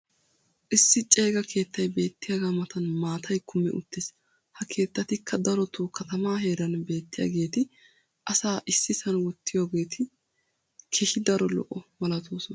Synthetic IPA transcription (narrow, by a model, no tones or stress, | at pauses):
ʔɪsːɪt͡ʃʼe̞ːɡɐkʰe̞ːt̪ːɐjbe̞ːt̪ːɪjɐɡaːmɐt̪ɐnmaːt̪ʰɐjkʰʊmɛ̰ʔʊ̰t̪ːɪs | hɐkʰe̞ːt̪ːɐt̪ɪkʰːɐd̪ɐɾɔt̪uːkɐt̪ɐmaːɦe̞ːɾɐnbe̞ːt̪ːɪja̰ːɡe̞ːt̪ɪ | ʔɐsaːʔɪsːɪsɐnwɔt̪ːɪjoːɡe̞ːt̪ʰɪ | kʰɛʃɪd̪ɐɾɔlɔ̰ʔɔmɐlɐt̪ʰuːsɔn